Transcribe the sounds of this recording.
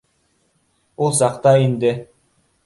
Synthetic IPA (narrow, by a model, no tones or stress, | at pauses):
ulˠsɑqt̪ɑind̪ɪ